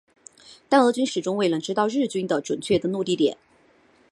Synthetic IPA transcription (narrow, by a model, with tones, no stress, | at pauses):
t̪a˥˧nɤ˧˥t͡ɕy˥nʂɻ̩˨˩ʈ͡ʂʊ˥ŋwe˥˩ɪnə˧˥ʈ͡ʂɻ̩˥t̪ɑ˥˧ʊɻɻ̩˥˩t͡ɕy˥nd̪ə˨ʈ͡ʂwə˨˩nt͡ɕʰɥɛ˥˩d̪ə˩nu˥˧t̪i˥˩t̪jɛ̰˨˩˦n